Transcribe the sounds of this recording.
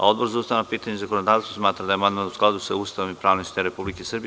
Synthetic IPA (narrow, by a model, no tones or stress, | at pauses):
a̰o̞d̪bo̞ɾzauːst̪aʋanapiːt̪aɲezakonod̪aːʋt̪st̪vosmaːt̪ɾad̪aemand̪manusklˠad̪usauːst̪aʋomipɾaːʋnoʃt̪eɾepublikesr̩bi